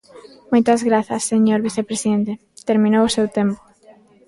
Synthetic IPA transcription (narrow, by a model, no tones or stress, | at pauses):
mojt̪ɐzɣɾaθɐsːeɲoɾβiθepɾesiðent̪e | t̪eɾmĩnowʊsewt̪empo̥